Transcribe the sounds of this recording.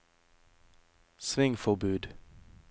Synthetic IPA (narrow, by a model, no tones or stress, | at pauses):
sʋɪŋfɔʁbʉːd̪